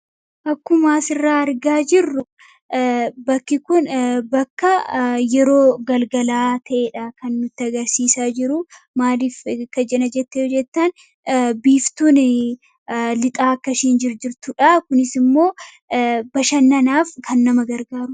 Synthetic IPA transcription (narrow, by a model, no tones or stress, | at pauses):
ʔɐkːʊmaːsɪrːaːɐɾɡaːd͡ʒɪrːʊ | bɐkːɪkʊnbɐkːɐjɛɾo̞ːɡɐlɡɐlaːt̪ʰɐʔeːᶑɐkɐnːʊt̪ːɪɐɡɐɾsiːsaːd͡ʒɪɾʊ | maːliːfkːɐd͡ʒɛnɐd͡ʒɛt̪ːeːd͡ʒɛt̪ːɐn | biːft̪uːn | lɪt̪ʼaːɐkːɐʃiːnd͡ʒɪɾd͡ʒɪɾt̪ʊᶑɐkʊnɪsɪmːo̞ː | bɐʃɐnːɐnaːfkʰɐnːɐmɐɡɐɾɡaːɾʊ